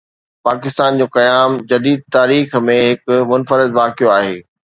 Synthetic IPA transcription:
paːkɪst̪aːnd͡ʑõːkɐjaːmd͡ʑɐd̪iːd̪̚t̪aːɾiːxmẽɦɪkmʊnfəɾɪd̪ʋaːkijoaːɦeː

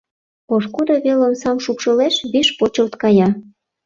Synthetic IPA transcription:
oʃkud̪oβelonsɑmʃukʃɤleʃβiʃpot͡ɕəlt̪kɑjɑ

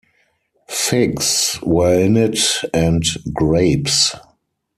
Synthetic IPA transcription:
fɪɡswɜ˞ɪ̃nɪtæ̃ntɡɹeɪps

